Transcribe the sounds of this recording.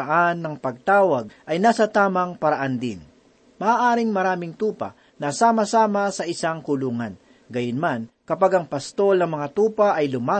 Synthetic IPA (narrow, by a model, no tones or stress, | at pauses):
ɐʔanːɐŋpɐɡ̚t̪aːwɐɡ̚ʔɐjnaːsɐt̪aːmɐŋpɐɾɐʔand̪ɪ̰n | mɐaːʔaːɾɪŋmɐɾaːmɪŋt̪uːpɐ̰ | nɐsaːmɐsaːmɐsɐʔɪsaŋkʊluːŋɐn | ɡɐjʊnmankɐpaɡɐŋpɐst̪o̞lnɐŋmɐŋat̪uːpɐʔɐjlʊmaː